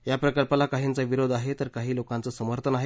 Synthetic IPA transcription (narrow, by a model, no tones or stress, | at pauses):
japɾəkəlpalakaɦiːnt͡səʋiɾod̪ʱaɦet̪əɾkaɦiːlokãnt͡səsəməɾt̪ʰənaɦe